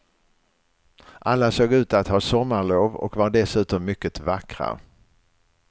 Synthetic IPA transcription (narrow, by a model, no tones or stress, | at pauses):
ʔalːasoːɡʉ̟ːt̪at̪hɑːsɔmːaɾɭoːvɔ̰kvaɾɖɛsʉ̟ːt̪ɔmːʏkːət̪vakɾa̰